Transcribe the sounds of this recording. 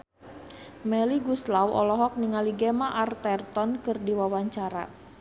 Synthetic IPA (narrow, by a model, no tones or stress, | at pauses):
mɛliɡuslawɔ̰lɔɦɔk̚niŋaliɡɛmaʔart̪ɛrt̪ɔnkɨrdiwawaɲt͡ʃaɾa̰